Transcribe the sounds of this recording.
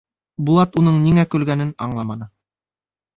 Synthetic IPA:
bulˠɑt̪unɤɴniŋækɵ̆lɡænɘnɑɴlˠɑmɑnɤ

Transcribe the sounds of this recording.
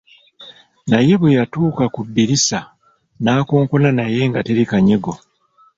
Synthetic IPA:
naje̞βwejatuːkakubːiɾisa | naːko̞ːŋko̞lanaje̞ŋɡate̞ɾikaɲe̞ɡo̞

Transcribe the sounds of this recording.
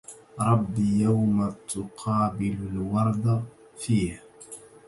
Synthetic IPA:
ɾˤɑbːijawmat̪ʊqʰɑːbɪlʊlwɑɾˤd̪a | fiːh

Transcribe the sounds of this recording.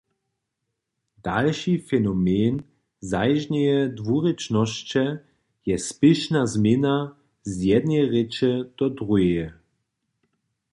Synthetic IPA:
d̥alʃifɛnɔmen | zajʒɲɛjɛdvuʁɛt͡ʃnɔʃt͡ʃɛ | jɛspɪʃnazmʲena | zjɛd̪nɛʁɛt͡ʃɛd̪̥ɔd̪ʁujɛɛ

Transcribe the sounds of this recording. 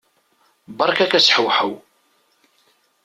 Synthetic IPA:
bɑɾˤkækæsħəwħəw

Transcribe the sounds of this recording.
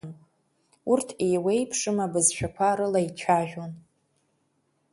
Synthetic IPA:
n | urtʰejwe̞jpʰʂɨmabɨzʃʷᶣʰakʷʰaɾɨlait͡ʃʷʰaʒᶣon

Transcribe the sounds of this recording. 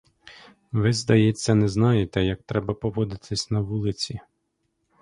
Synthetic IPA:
ʋɪzd̪ɐjɛt͡sʲːɐnɛznɑjet̪ɛjɐk̚t̪ɾɛbɐpɔʋɔd̪ɪt̪ʰɪsʲnɐʋulˠɪt͡sʲi

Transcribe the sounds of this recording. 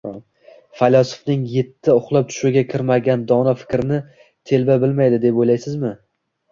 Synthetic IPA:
falʲɒsʊ̥fnɪŋje̞t̪ʰːɪʊχlˠap̚t̪ʰʊ̥ʃuɡʲakʲʰɪɾmaɡʲand̪ɒnafɪ̥kʲɾɪnɪ | t̪ʰe̞lbabɪlmajd̪ɪd̪epojlajsɪzmɪ

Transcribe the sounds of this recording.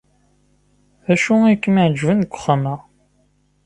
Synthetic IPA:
æʃuikːmiʕd͡ʒvənkʷːʊ̥χːəməʁ

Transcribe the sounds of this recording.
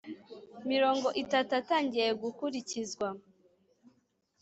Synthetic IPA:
miɾo̞ːŋɡo̞ʔitatuataːɲɟije̞ɡukuɾicizɡwa

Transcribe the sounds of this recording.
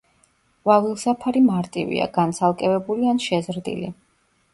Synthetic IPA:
vavilˠsapʰaɾimaɾt̪ʼivḭa̰ɡant̪sʰalˠkʼɛvɛbulianʃɛzɾd̪ḭli

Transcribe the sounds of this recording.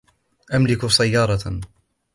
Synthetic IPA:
ʔamlɪksajːɑːɾˤɑ

